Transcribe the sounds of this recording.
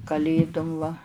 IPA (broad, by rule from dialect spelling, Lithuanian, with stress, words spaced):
kɐˈlʲeːdʊm ʋɐ